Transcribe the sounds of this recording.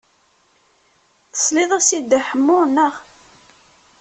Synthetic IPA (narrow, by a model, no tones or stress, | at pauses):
θə̥sˤliðˤæsid̪ːaħəmːʊɾˤnːəʁ